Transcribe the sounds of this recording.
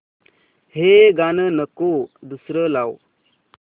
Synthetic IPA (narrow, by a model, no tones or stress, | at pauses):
heɡanənəkod̪usɾəlaw